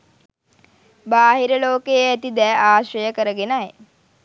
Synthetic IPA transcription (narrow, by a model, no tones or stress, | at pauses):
baːɦiɾəloːkejæt̪id̪ɛːʔaːʃɾəjəkəɾəɡenaj